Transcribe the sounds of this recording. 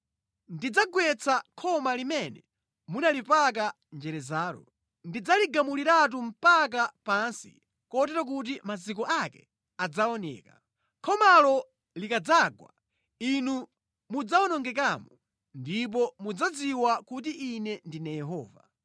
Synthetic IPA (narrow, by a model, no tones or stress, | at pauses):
ndid͡zaɡwɛt͡sʰakʰɔmalimɛnɛ | munalipak̬a | nd͡ʒɛɾɛzaːɾɔ̰ | ndid͡zaliɡamuliɾat̬um̩pak̬apansḭ | kɔt̬ɛɾɔk̬ut̬imazik̬ɔʔakɛ̰ | ad͡zaɔnɛ̰ːka | kʰɔmalɔ | likad͡zaɡwa̰ | inu | mud͡zawɔnɔŋɡɛk̬amɔ | ndip̬ɔmud͡zad͡ziwakut̬iinɛndinajɛɦɔ̰ːva